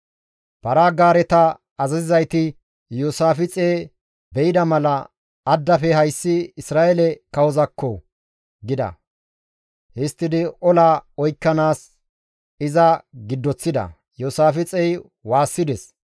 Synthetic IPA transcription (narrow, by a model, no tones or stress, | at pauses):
pɐɾaːɡaːɾɛt̪ɐ | ɐzɐzɪzɐjt̪ɪ | joːsaːfɪt͡sʼeː | bɛʔɪd̪ɐmɐlɐ | ɐd̪ːɐfɛhɐjsːɪɪsɾaːʔɛlɛkɐwɔzɐkːɔ | ɡɪd̪ɐ̰ | hɪst̪ːɪd̪ɪɔlaːɔjkːɐnaːs | ɪzɐɡɪd̪ːɔt͡sːɪd̪ɐ̰ | joːsaːfɪt͡sʼɛj | waːsːɪd̪ɛs